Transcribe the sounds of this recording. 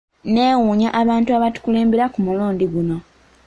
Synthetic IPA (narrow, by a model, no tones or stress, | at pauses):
ne̞ːwuːɲaʔaβaːntuaβatu̥kuleːmbiɾakumuloːndiɡuno̞